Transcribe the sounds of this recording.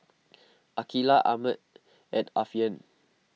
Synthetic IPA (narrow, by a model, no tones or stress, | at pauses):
ʔakilaʔamət̚ | ɛtafiə̃n